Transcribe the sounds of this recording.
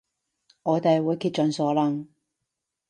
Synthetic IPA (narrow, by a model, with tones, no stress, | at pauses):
ŋɔː˨˧t̪e˨jwuː˨˧jkʰiː˧t̚t͡ʃœː˨˧nsɔː˨˥lɐ˨˧ŋ